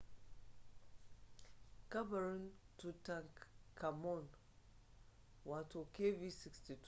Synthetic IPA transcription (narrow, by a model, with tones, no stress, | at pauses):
ka˦ba˨ɾĩ˦ntu˨tã˦˨ŋkʰa˨mɔ˦˨n | wa˨to˨ke˦vi˦si˨ksti˨t